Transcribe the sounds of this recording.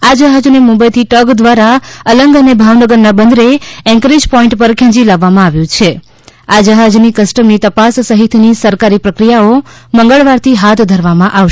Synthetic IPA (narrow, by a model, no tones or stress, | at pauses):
ad͡ʒəɦad͡ʒnemumbəjt̪ʰiʈəɡd̪ʋaɾaələŋɡənebʱaʋnəɡəɾnabənd̪ɾeɛ̃ŋkəɾid͡ʒpɔĩɳʈpəɾkʰɛ̃d͡ʒilaʋːamãaʋjũt͡ʃʰe | ad͡ʒəɦad͡ʒnikəsʈəmnit̪əpasːəɦit̪ʰnisəɾkaɾipɾəkɾijaoməŋɡəɭʋaɾt̪ʰiɦat̪ʰd̪ʱəɾʋamãʔaʃ